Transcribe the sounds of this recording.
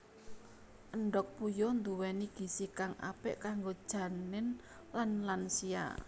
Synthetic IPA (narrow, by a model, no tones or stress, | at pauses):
ʔəɳɖɔk̚pujɔnd̪uwɛniɡ̥i̤sikaŋa̰pɪ̰ʔkaŋɡod̥ʒ̥ä̤nɪn | lanlansia̰